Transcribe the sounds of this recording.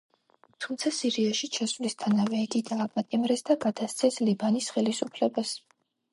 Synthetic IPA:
t̪ʰumt̪sʰasiɾiaʃit͡ʃʰasvlist̪ʰanavɛiɡid̪aːpʼat̪ʼimɾɛsd̪aɡad̪ast̪sʰɛslibanisχɛlisupʰlɛbas

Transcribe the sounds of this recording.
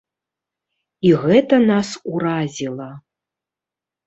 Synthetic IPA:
iɣɛt̪ɐnasuɾazʲilˠɐ

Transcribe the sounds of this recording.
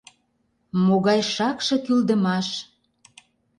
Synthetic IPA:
moɣɑjʃɑkʃɤ̆kyld̪ə̆mɑʃ

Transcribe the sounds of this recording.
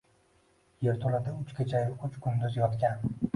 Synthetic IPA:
jeɾt̪ʰolad̪aʊt͡ʃkʲet͡ʃʰajɪʊt͡ʃkʰʊnd̪ʊzjɒt̪kʲan

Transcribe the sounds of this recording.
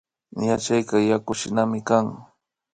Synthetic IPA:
jat͡ʃajkɑjakʊʃɪnamɪkaŋ

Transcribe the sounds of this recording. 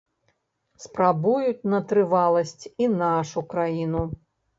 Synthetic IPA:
spɾabujut͡sʲnɐt̪ɾɨvalˠɐsʲt͡sʲinaʂukɾajinu

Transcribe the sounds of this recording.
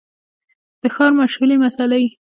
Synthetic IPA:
d̪̥əxɑɾmaʃhulimasalaji

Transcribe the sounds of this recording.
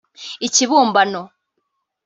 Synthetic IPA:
iciβuːmbano

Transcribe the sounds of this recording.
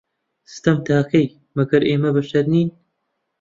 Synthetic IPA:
sɨ̥t̪ɐmt̪ʰaːqej | mɐɡɐɾeːmɐbɐʃt̪ɐɾniːn

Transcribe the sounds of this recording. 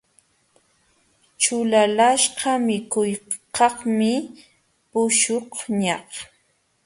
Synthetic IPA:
t͡ʃʊlalaʃɢɑmɪkʊjqɑχmɪ | pʊʃoχɲɑh

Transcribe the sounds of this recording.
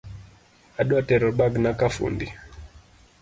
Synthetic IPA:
aɗwatɛɾɔɓaɡnakafṵndi

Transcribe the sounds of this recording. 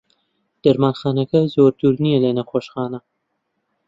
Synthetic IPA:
d̪̥ɐɾmaːnxɑːnɐkɐzoːɾd̪uːɾnijɛlɐnɐxoːʃxɑːnɐ

